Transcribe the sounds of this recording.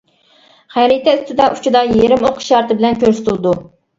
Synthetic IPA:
χæɾit̪ʰɛyst̪ʰɪd̪ɛʔu̥t͡ʃʰid̪ɑjeɾɪmoqʰʃɑɾt̪ɨbɪlɛnkʲøɾsɪ̥t̪ʰɪlˠɨd̪u

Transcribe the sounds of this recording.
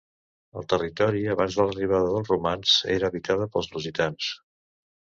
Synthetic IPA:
ə̰lˠt̪ərit̪ɔɾiəβanzðələriβ̞aðəðəlˠzrumanz̥ḛɾəːβit̪aðəpəlˠznuzit̪ans

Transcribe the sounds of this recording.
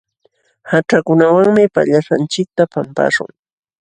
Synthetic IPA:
haʈ͡ʂakʊnawaŋmɪpa̰ʎaʃant͡ʃɪk̚t̪apampa̰ʂʊ̰ŋ

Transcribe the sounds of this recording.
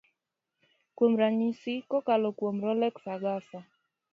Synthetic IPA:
kwomɾaɲisikɔkalɔkwomɾɔlɛksaɡafa

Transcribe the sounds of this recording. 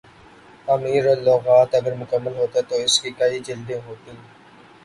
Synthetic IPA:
amiːɾoːlːɔːɣaːt̪ɐɡəɾmʊkəmːəlɦoːt̪at̪oɪskikɐid͡ʒɪld̪ẽɦoːt̪ĩː

